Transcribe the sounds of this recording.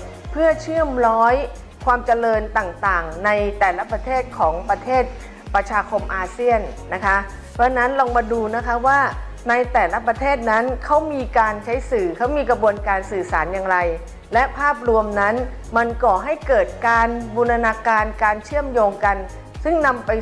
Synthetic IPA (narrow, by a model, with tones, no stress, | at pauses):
pʰɯ˥˩ət͡ɕʰɯ˥˩əmɾɔː˦˥j | kʰwaː˧mt͡ɕa˧lɤː˧nt̪aː˨˩ŋt̪aː˨˩ŋna˧jt̪ɛː˨˩la˦˥pɾa˧t̪ʰeː˥˩t̪̚kʰɔː˩˦ŋpɾa˧t̪ʰeː˥˩t̪̚ | pɾa˧t͡ɕʰaː˧kʰo˧mʔaː˧si˥˩ənːa˦˥kʰa˦˥ | pʰɔ˦˥na˦˥nlɔː˧ŋmaː˧duː˧na˦˥kʰa˦˥waː˥˩ | na˧jt̪ɛː˨˩la˦˥pɾa˧t̪ʰeː˥˩t̪̚na˦˥nkʰa˦˥wmiː˧kaː˧nt͡ɕʰa˦˥jsɯː˨˩kʰa˦˥wmiː˧kɾa˧bu˧ənkaː˧nsɯː˨˩saː˩˦njaː˧ŋɾa˧j | lɛ˦˥pʰaː˥˩p̚ɾu˧əmna˦˥n | ma˧nkɔː˨˩ɦa˥˩jkɤː˨˩t̪̚kaː˧nbu˧na˧naː˧kaː˧nkaː˧nt͡ɕʰɯ˥˩əmjoː˧ŋka˧n | sɯ˥˩ŋna˧mpa˧j